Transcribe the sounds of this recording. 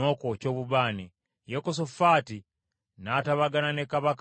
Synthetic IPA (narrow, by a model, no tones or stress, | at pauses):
okoco̞ːβuβaːni | jekos̬ofaːti | nataβaɡananekaβak